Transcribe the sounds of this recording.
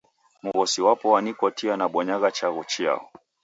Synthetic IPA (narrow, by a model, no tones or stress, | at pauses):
muɣɔsiwapɔwanikɔtianaɓɔɲaɣat͡ʃaɣɔt͡ʃia̰ɔ